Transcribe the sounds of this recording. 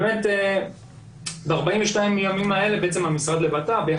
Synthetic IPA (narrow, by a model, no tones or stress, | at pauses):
mete | baʁbaiɱveʃtaimjamimae̞lebeet͡se̞mamisʁad̪lebatabeja